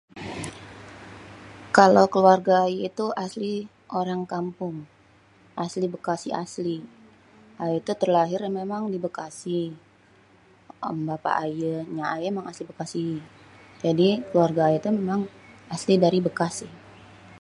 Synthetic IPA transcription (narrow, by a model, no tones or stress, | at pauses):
kalawkəluarɡaːjait̪uʔasli | ʔoɾaŋkampʊŋ | ʔaslibəkasia̰sli | ʔajait̪ut̪ərlaɦɪrmemaŋdibəkasi | mbapa̰ʔajəɲaajaemaŋaslibəkasi | d͡ʒadikəluarɡaːjat̪umemaŋaslidaɾibəkasɪ